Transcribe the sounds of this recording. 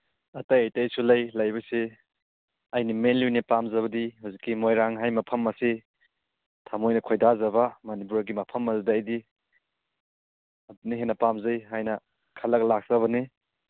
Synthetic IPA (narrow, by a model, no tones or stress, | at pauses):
ɐtɐjɐjtɐjsulɐjlɐjbɐse | ɐjnimenlujnipamzɐβɐdihuwzikːimojɾaŋɦajmɐpʰɐmːɐse | tʰamojnɐkʰojdazɐbɐmɐnip̬uɾaɡimɐpʰɐmɐzudaːjdi | ɐduniɦenɐpamzɐjɦajnɐ | kʰɐlɐk̚lak̚z̥ɐβɐni